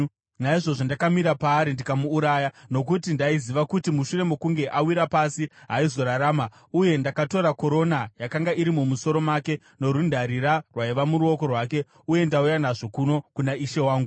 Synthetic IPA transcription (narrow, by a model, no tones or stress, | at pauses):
naiʐo̞ʐondakamiɾapaːɾindikamuːɾaːjano̞kutindaiziʋakutimuʃure̞me̞kuŋɡe̞ʔawiɾapasiɦaizo̞ɾaɾaːma | uje̞ndakato̞ɾako̞ɾo̞najakaŋɡaiɾimumuso̞ɾo̞maːke̞ | no̞ɾundʱaɾiɾarwaiʋamuɾuo̞ko̞rwaːke̞ | uje̞ndaujanaʐo̞kuno̞kunaiʃe̞waːŋɡu